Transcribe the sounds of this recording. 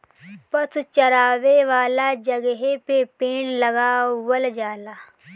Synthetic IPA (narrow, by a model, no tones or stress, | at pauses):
pəst͡ʃɐɾaːʋeʋaːlaːd͡ʒɐɡəɦepepẽːɽlɐɡawəld͡ʒaːlaː